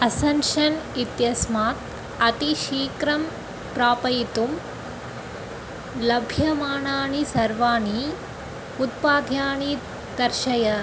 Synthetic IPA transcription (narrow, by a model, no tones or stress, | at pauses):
ɐsɐnʃɐnit̪jɐsmaːt̪ | ɐt̪iʃiːkɾɐm | pɾaːpɐjit̪um | lɐbʱjɐmaːɳaːɳisɐɾʋaːɳi | ut̪̚paːd̪ʱjaːɳi | d̪ɐɾʃɐjɐ